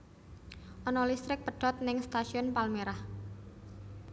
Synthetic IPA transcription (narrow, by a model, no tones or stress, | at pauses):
ʔɔnɔlist̪ɾɪk̚pəɖ̥ɔt̪̚nɪŋst̪asiɔnpalmeɾah